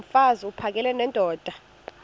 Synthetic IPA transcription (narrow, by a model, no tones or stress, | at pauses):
faziupʰak̬ʼɛlɛnɛndʼʱɔːd̥ʱa